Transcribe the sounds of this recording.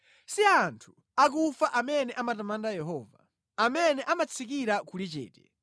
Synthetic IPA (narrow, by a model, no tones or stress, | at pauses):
siantʰu̥ | ak̬ufaʔamɛnɛʔamatamandajɛɦɔːva̰ | amɛnɛʔamat͡sʰik̬iɾakulit͡ʃɛ̰ːtɛ